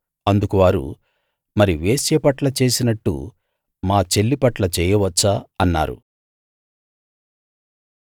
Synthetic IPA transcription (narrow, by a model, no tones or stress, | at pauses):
ɐnd̪ukuʋaːɾṵ | mɐɾiʋeːsjɐpɐʈlɐt͡ʃe̞ːsinɐʈːṵ | maːt͡ʃe̞lːipɐʈlɐt͡ʃɛːjɐʋɐt͡ʃːaɐnːa̰ːɾṵ